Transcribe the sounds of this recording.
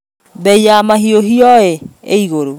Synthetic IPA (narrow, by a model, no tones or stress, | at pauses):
bɛiamaɦioɦiɔɛeiɣoɾo